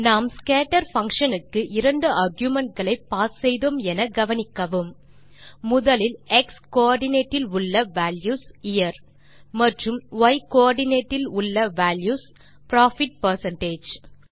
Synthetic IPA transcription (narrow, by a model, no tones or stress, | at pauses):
naːmskeːʈɐɾfɐŋkʂɐnɯkːɯʔɪɾɐɳɖɯʔɐɾɡjʊmɛɳʈ̚ɡɐɭɐɪpːaːssɛjðoːmɛnɐɡɐʋɐnɪkːɐʋɯmː | ʊðɐlɪlɛkskoaːɾɖɪneːʈːɪlʊɭːɐʋaːljuːsɪjɐɾ | mɐʈrɯmʋɐɪkoaːɾɖɪneːʈːɪlʊɭːɐʋaːljuːs | pɾaːfɪʈ̚pɐɾsɐɳʈeːd͡ʒ